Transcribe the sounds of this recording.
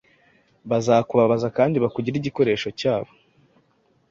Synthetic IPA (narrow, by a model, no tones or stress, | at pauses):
βazakuβaβazakaːndiβakuɟiɾiɟiko̞ɾe̞ːʃo̞caːβo̞